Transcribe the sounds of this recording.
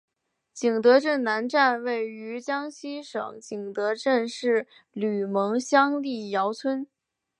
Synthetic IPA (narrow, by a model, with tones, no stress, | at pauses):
t͡ɕi˨˩ŋt̪ɤ˧˥ʈ͡ʂə˥˩nna˧˥nʈ͡ʂa˥˧nwe˥˩ɪy˧˥t͡ɕjɑ˥ŋɕi˥ʂɤ̰˨˩˦ŋt͡ɕi˨˩ŋt̪ɤ˧˥ʈ͡ʂə˥˧nʂɻ̩˥˩ | ly˨˩mɤ˧˥ŋɕjɑ˥ŋli˥˩jɑ˧˥ʊt͡sʰwə˥n